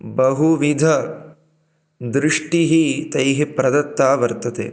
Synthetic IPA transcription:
bɐɦuʋid̪ʱɐ | d̪ɾɪʂʈiɦit̪ɐjɦepɾɐd̪ɐt̪ːaːʋɐɾt̪ɐt̪ḛː

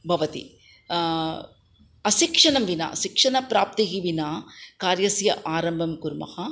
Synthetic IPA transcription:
bʱɐʋɐt̪ḭ | ɐʃikʂɐnɐmʋina̰ːʃikʂɐnɐpɾaːp̚t̪iɦiʋinaːkaːɾjɐsjɐ̰ʔaːɾɐmbʱɐmkuɾmɐ̰hɐ

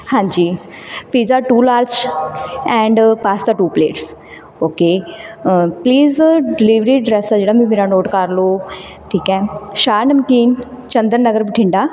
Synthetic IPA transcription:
hãːɲd͡ʑiː | piːzaʈuːlaːɾt͡ʃ | ɛ̃ːɳɖpaːsd̪aʈuːplḛːʈs | oːke | pliːzɖɪliʋɾiɖɾeːsad͡ʑeːɽamĩmeːɾanoːʈkaːɾlo | ʈʰiːkaːeʃaːnəmkiːn | t͡ɕɐ̃nd̪əɾnɐɡəɾbɪʈʰɪ̃ɳɖaː

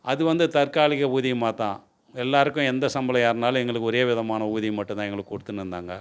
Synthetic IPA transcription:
ʔɐðɯʋɐnd̪ɯt̪ɐɾkaːlɪɣɐuːðɪmaːt̪ãː | ɛlːaːɾɯkːʊ̃ɛnd̪ɐsɐmbɐlɐjaːɾnaːlɐ̃ɛŋɡɐɭɯkːɯɔɾeːʋɪðɐmaːnɐuːðɪmɐʈːʊ̃t̪ãːɛŋɡɐɭɯkːkːɔɽɯt̪ːɯnɯɾɯnd̪aːŋɡɐ

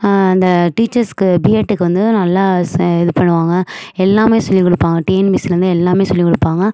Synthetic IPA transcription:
ɐnd̪ɐʈiːt͡ʃːɐɾskɯbiːeːʈːɯkːɯʋɐnd̪ɯnɐlːaːɛðɯpɐɳːɯʋaːŋɡɐɛlːaːmeːsɔlːikɔɽɯpːaːŋɡɐʈeːnbɪsɐɾnd̪ɯɛlːaːmeːsɔlːikːɔɽɯpːaːŋɡɐ

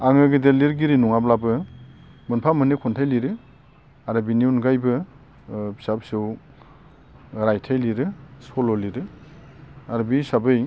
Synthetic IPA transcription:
aŋɯɡɯdeliɾɡiɾinuŋablabɯ | mɯnpʰamɯnekʰɔntʰajliɾɯ | aɾɯbiniunɡajbɯ | bi̥sap̚sɯw | ɾajtʰajliɾɯsɔlɔliɾɯ | aɾbisabɯj

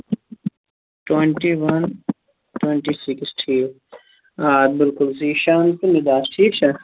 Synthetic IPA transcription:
ʈweɳʈiʋɐn | ʈweɳʈisɪksʈʰiːk | aːd̪̚bɪlkʊlsiːʃaːnk̪inɪd̪aːsʈʰiːkt͡ʃʰa

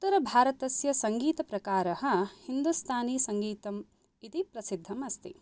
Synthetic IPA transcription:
ut̪ːɐɾɐbʱaːɾɐt̪ɐsjɐsɐŋɡiːt̪ɐpɾɐkaːɾɐɦɐ̆hind̪ust̪ʰaːniːsɐŋɡiːt̪ɐm | it̪ipɾɐsid̪ʱːɐmɐst̪ḭ

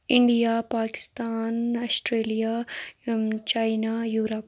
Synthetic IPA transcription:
ɪɳɖijaːpaːkɪ̥st̪aːnɐsʈɾeːlija | t͡ʃaːjnajuːɾɐp

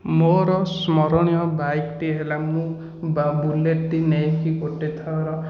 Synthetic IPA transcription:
moɾɔsmɔɾɔɽ̃ijɔbajkʈiɦelamũ | bbuleʈʈinejkikoʈet̪ʰɔɾɔ

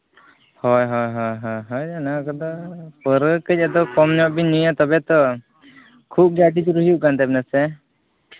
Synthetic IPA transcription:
hɔjɦɔjɦɔjɦɔjɦɔjanakɔd̪ɔpəɾəkəc̚ad̪ɔkɔmnɔʔbinujat̪ɔbɛt̪ɔ | kʰup̚ɡaʈid͡ʒuɾuɦjuʔkant̪abnasɛ

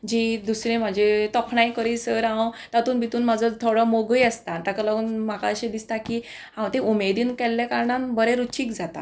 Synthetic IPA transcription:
d͡ʑid̪usɾẽm̤ad͡ʑet̪ɔkʰɳajkəɾiːsəɾãwt̪at̪uːnbit̪uːnmad͡zʱət̪ʰoɽɔmoɡəjəst̪at̪akalaɡuːnm̤aka̰əɕẽd̪ist̪akiː | ɦãwt̪eʔumed̪iːnkɛlːjakaɾɳanbəɾẽɾut͡ɕiːkd͡zat̪a̰

